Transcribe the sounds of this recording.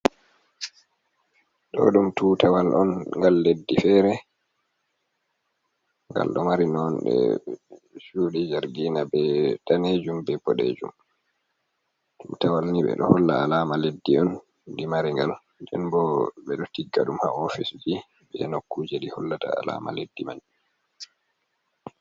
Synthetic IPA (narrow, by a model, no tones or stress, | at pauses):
ɗɔ̰ɗumtuːtawalʔɔnŋɡalːedːifɛɾɛ | ŋɡa̰lɗɔmaɾinɔnɗɛ̰ | suɗid͡ʒaɾɡiːnabɛtaned͡ʒumbɛpɔɗḛd͡ʒum | tumtawalniɓɛ̰ɗɔhɔlːa̰alaːmaledːiɔn | dimaɾiŋɡal | dɛ̰nbɔbɛɗɔtiɡːaɗumha̰ɔfisd͡ʒi | ɓɛ̰nokːuːd͡ʒɛɗihɔlːata̰a̰la̰ːma̰ledːima̰d͡ʒu